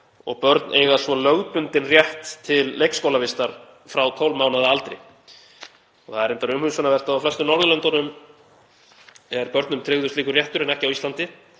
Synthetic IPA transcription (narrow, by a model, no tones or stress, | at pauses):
ɔ̰ɣpœɾt̪nʔeːjɣasvɔlœɣpʏnt̪ɪnrjɛht̪ʰːɪlːejkskowlavɪst̪aɾ̥ | fɾawt̪ʰowlmaːwnaðaalt̪ɾɪ̰ | ɔθaðɛɾɛnt̪aɾʏmhʏsanavɛr̥t̪aawflɛst̪ʏnɔɾðʏlœnt̪anʏm | ɛɾpœɾt̪nʏmt̪ʰɾɪɣðʏsliːkʏrjɛht̪ʏɾɪnɛhcɪawist̪lant̪ɪ